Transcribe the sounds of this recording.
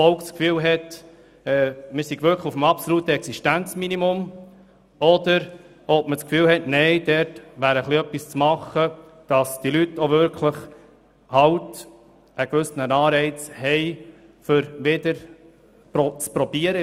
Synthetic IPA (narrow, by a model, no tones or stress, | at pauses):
fɔʊkt͡skfyːlɦɛt | ɛmɪːɾsiɡvʏɾkləufəm̩ɑpsolut̪əɛksiʃtænt͡sminimʊm | ɔdəɾ | ɔpmət͡skfyːlwɦɛtnɛɪd̥ɛɾtʋæːɾəχliœpːist͡smɑχːəd̥ɑsd̥ilytːovʏɾkʰləχ | hɑwt | ʔəkʋʏsnənɑːɾɛɪt͡shɛɪ | fʏɾʋɪdəɾ | pɔt͡spɾɔb̥iəɾə